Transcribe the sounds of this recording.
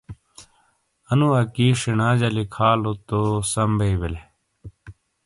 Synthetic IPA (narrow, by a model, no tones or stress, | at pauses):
ɐnuɐkiːʂinaːd͡ʑɐlikʰaːlot̪osɐmbʱeibele